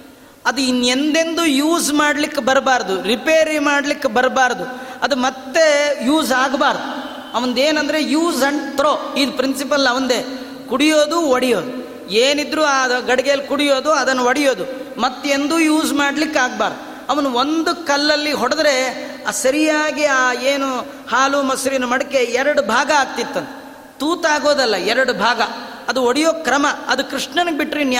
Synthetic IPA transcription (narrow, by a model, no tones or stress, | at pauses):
ɐd̪uinːe̞nd̪e̞nd̪ujuːzmaːɽlikːebɐɾbaːɾɐd̪uɾipeːɾimaːɽlikːebɐɾbaːɾɐd̪u | ɐd̪umɐt̪ːe̞juːzaːɡbaːɾd̪u | ɐʋɐnd̪eːnɐnd̪ɐɾe̞juːzɐɳt̪ɾoːiːd̪upɾinsipɐlɐʋɐnd̪eː | kuɽijo̞ːd̪uʋɐɽijo̞ːd̪u | eːnid̪ːɾuːaːɡɐɽɐɡeːlkuɽijo̞ːd̪uɐd̪ɐnːuʋɐɽijo̞ːd̪umɐt̪ːeend̪ujuːzmaːɽlikːaːɡ̚baːɾd̪u | ɐʋɐnuond̪ukɐlːɐlːiɦɔɽɐd̪ɾe̞ | sɐɾijaːɡiaːeːnu | haːlumɐsɾinɐmɐɽɐke̞ɛɾɐɽubʱaːɡɐaːɡ̚t̪it̪ːɐnt̪e | t̪uːt̪aːɡoːd̪ɐlːɐɛɾɐɽubʱaːɡɐ | ɐd̪uoɽijoːkɾɐmɐɐd̪ukɾiʂɳɐnɐɡebiʈːɾin